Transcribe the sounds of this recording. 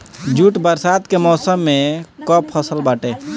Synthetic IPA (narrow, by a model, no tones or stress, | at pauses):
d͡ʒuʈbəɾsat̪kemɔːsəmːẽkɔpʰəsəlbaːʈe